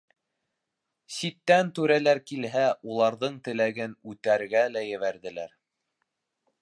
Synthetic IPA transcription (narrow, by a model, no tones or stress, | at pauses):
sit̪ːænt̪ʉɾælæɾkilɦæulˠɑɾðɤɴt̪ɘ̆læɡɘnʉt̪æɾɡælæjɘ̆βæɾðɘ̆læɾ